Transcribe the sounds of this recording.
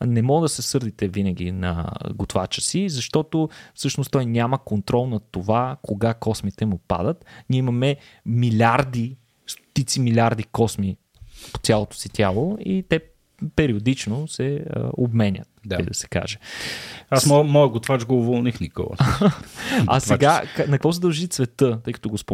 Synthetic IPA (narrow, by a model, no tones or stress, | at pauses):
nɛmɔɡd̪ɐsɛsɤɾd̪it̪ɛvinəɡ̟ʲinɐ̰ɡot̪vat͡ʃə̥sizɐʃt̪ɔt̪ofsɤʃnʊst̪ɔjnʲaməkont̪ɾɔlˠnɐt̪ovakʰoɡakɔsmit̪ɛmupa̰d̪ət̪nʲiɛimɐmɛ | milʲaɾd̪i | st̪o̥t̪it̪similʲaɾd̪ikɔsmi | po̥t̪sʲalˠot̪o̥sit̪ʲʰalˠoit̪ɛ | pɛɾiod̪it͡ʃnosɛə̰obmɛnʲə̰t̪̚ə̰jd̪ɐsɛ̥ka̰ʒɛ | asmɔmɔjəɡot̪vat͡ʃɡoːvolˠnixniko̰lˠə̰ | a̰sɛɡakanɐkvɔs̬ɛd̪ɐlˠʒit̪svɛt̪ɤt̪ɤjkə̥t̪ɔɡospo